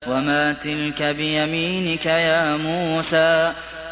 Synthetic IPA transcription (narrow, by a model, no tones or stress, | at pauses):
wamaːt̪ɪlkabɪjamiːnɪkajaːmuːsaː